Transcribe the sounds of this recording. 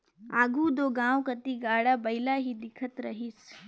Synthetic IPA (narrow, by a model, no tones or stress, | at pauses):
aːɡʱud̪oːɡãːwkɐt̪iɡaːɽabɐɪlaɦid̪ɪkʰət̪ɾɐɦis